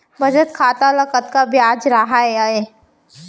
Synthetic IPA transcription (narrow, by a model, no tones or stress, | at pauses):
bʱɐd͡ʒət̪̚kʰaːt̪alɐkət̪kabjaːd͡ʒɾaɦaeaeː